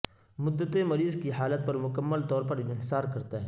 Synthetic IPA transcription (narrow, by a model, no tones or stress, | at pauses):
mʊd̪ːət̪emɐɾiːzkiɦaːlət̪̚pɐɾmʊkəmːəlt̪ɔːɾpɐɾɪnɦɪsaːɾkɐɾt̪aɦɛ̃ː